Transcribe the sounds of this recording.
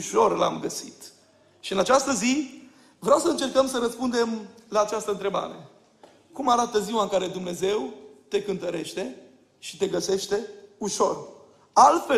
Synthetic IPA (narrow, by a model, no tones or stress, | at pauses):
uʃo̞rla̰mɡəsit̪ | ʃiɨnat͡ʃast̪əzi | vɾeawsəɨnt͡ʃe̞rkəmsəɾəspund̪e̞mlaːt͡ʃast̪əɨnt̪ɾe̞ba̰ɾe̞ | kumaɾat̪əziwaɨŋkaɾe̞d̪umne̞ze̞wt̪e̞kɨnt̪əɾe̞ʃt̪e̞ | ʃi̥t̪e̞ɡəse̞ʃt̪e̞uʃo̞r | alt̪fe